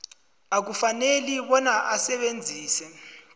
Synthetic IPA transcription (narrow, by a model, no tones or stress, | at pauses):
ak̬ufaneliɓɔnaʔasɛɓend͡zʱiːsɛ